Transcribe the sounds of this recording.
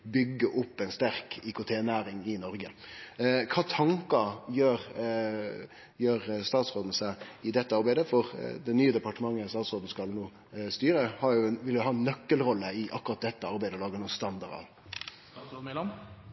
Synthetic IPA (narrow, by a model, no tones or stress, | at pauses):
bʏɡːəʔʊpːɛɪnst̪æɾkʰɪkʊt̪ʰeːnæːɾɪŋɪnɔɾɡə | kʰɑːt̪ʰɑŋkɑjøːɾ | jøːɾst̪ɑːt̪sʁoːd̪n̩sæɪd̪ɛt̪ːəɑɾbæɪd̪əfɔʁd̪ɛnyːəd̪ɛpɑʈəmɑŋːəst̪ɑːt̪sʁoːd̪n̩skɑlnuː | st̪yːɾəhɑɾjʊʋɪljʊɦɑːnːœkːəlɾɔlːəɪʔɑkːʊɾɑt̪̚d̪ɛt̪ːəɑɾbæɪd̪əɔlɑːɡənuːst̪ɑnd̪ɑɾɑ̰ʋ